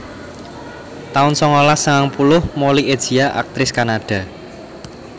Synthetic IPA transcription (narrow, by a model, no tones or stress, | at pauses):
t̪aʊnsɔŋolasəŋaŋpulʊhmolied̥ʒ̥iaʔa̰k̚t̪ɾɪskanaɖ̥a̤